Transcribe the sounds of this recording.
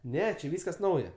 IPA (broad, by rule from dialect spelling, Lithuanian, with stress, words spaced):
ˈnʲɛ t͡ʃʲɪ ˈʋʲiːskɐs ˈnɐʊjɛ